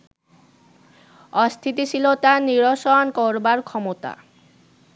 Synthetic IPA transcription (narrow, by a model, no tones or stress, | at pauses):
ɔst̪ʰit̪it͡ɕʰilot̪aniɾoʃɔankɔɾbaɾkʰɔmot̪a̰